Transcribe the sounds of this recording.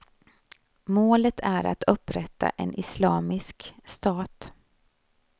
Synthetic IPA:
moːlət̪ʰæɾa̰t̪ʰɵpːɾɛt̪ːa̰ʔɛnʔɪslɑːmɪskst̪ɑːt̪

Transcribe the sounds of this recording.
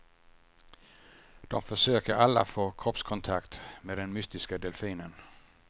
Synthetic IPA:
d̪̥ɔmfɒsøːɡ̥əʔɑləfɔːkʰʁɔpskʰɔnt̪ʰɑ̈ɡ̥d̪̥med̪enmysd̪̥isɡ̥əd̪elfiːnən

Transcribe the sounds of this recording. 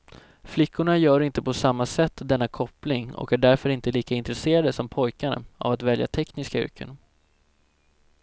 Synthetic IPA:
flɪkːʊɳajœːɾɪnt̪əpʰɔsamːasɛt̪ːd̪ɛnːakʰɔplɪŋɔ̰kæɖæɾfœɾɪnt̪əliːkaɪnt̪ɾɛseːɾad̪əsɔmpʰɔjkaɾə̰a̰vat̪vɛlja̰t̪ʰɛknɪskaʏ̰ɾkʰə̰n

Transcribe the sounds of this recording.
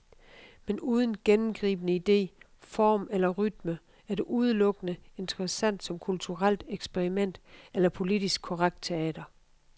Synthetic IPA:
menuːð̞ˠn̩ɡ̥enm̩ɡ̥ʁḭːb̥ənəid̥e̝̰ː | fɒ̰ːmelɐʁyd̥mə | æɐɾ̥e̝ʔuð̞ˠəlɔ̽ɡ̥ənəe̝nd̥əʁɐsæn̰d̥sɒ̽mkʰult͡sʰuʁal̰d̥eɡ̥sb̥eʁimen̰d̥elɐpʰo̝lid̥isɡ̥̚kʰo̝ʁaɡ̥̚d̥̚t͡sʰe̝ɛ̰ːd̥ɐ

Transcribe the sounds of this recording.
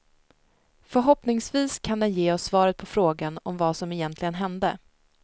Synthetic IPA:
fœɾɦɔpnɪŋsviːskʰand̪ɛnjeːɔsːvɑːɾət̪̚pʰɔfɾoːɡanɔmvaːsɔmɛjɛnt̪ʰlɪɡənɦɛnd̪ə̰

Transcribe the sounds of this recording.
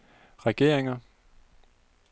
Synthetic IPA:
ʁɛɡ̥e̝̰ɐ̰eŋɐ

